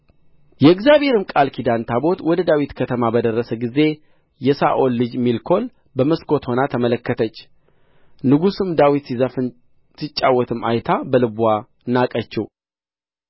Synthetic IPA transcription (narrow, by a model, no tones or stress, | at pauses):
jɛɨɡzjaβhe̞ɾɨmkʼalkʰid̪ant̪ʰabo̞t̪wɔd̪əd̪awit̪kʰət̪ʰəmabəd̪ərːəsəɡize̞ | jɛsa̰ʔo̞lːɨd͡ʒmilkʰo̞l | bəməskʰo̞t̪ho̞nat̪ʰəmələkːət̪ʰət͡ʃː | nɨɡusɨmd̪awit̪sizafɨ | sɨt͡ʃʼːawːɔt̪ʰɨma̰jt̪ʰabəlɨbwa | ɨnːakʼət͡ʃːɛw